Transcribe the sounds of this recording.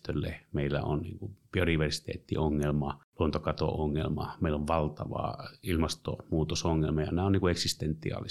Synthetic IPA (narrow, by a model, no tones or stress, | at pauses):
t̪ølːemeˑilːæ̰o̰nnḭːŋkupiodiʋersi̥t̪ḛːt̪ːḭoŋːelmɑluont̪okɑt̪o̰oŋːelmɑmeˑilːoʋʋɑlt̪ɑʋɑ̰ilmɑst̪o̰muːt̪osoŋːelmɑjɑ̰næːonniŋkueksist̪ent̪ːˑḭɑ̰ːlːi